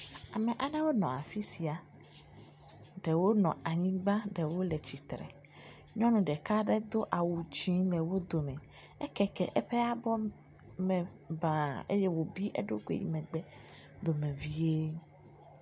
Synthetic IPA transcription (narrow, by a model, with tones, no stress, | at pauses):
a˨mɛ̃˨ʔa˨nã˦wo˦nɔ̃˨a˨fi˦si˨a˨ | ɖɛ˨wo˦nɔ̰̃˨a˨ɲĩ˦ɡ͡ba˦ɖɛ˨wo˦lɛ˨t͡ɕi˨t̪ɾɛ̰˨ | ɲɔ̃˦nũ˨ɖɛ˨ka˦ɖɛ˦d̪o˦ʔa˨wu˨d͡ʑĩ˦lɛ˨wo˦d̪o˨mɛ̃˨ | ɛ˦kɛ˦kɛ˨ʔɛ˦ɸɛ˦a˦bɔ˦ | mɛ̃˨ | ba˨ḛ˦je˦wo˨bi˦ʔḛ˦ɖo˦kʷḛ˨jḭ˦mɛ̃˨ɡ͡bɛ˦d̪o˨mẽ˨vi˦e˦